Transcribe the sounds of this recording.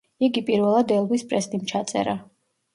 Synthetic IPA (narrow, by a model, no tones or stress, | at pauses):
iɡipʼiɾvɛlˠad̪ɛlˠvispʼɾɛst̪ʼimt͡ʃʰat̪sʼɛ̰ɾa